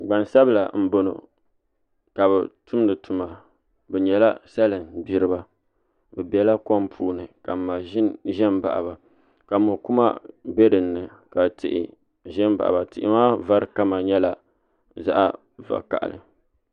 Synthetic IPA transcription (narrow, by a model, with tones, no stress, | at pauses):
ɡ͡ba˨nsa˦bɨ˦la˨m̩˦bo˦no̰˨ | ka˨βɛ˨tʊ˦m˦nɨ˨tu˨ma˨ | bɛ˨ɲɛ˨la˦sa˦lɨ˨nbi˦ɾɨ˦ba˦ | bɛ˨bɛ˨la˦kɔ˦mpʰuː˦nɨ˨ka˨ma˨ʒɪ˦nʒɛ˦mba̰˨ʔa̰˨ba˨ | ka˨mʊ˨ku˦ma̰˦bɛ˦dɨ˨nːɨ˨ka˨tʰɪ̰˨ʔɪ̰˨ | ʒɛ˦mba̰˨ʔa̰˨ba˨tɪ˨ʔɪ̰˦maː˦va˦ɾɨ˦ka˦ma˨ɲɛ˦la˨ | za̰˦ʔa̰˦ | va̰˨ka̰˨ʔa̰˨lɨ̰˨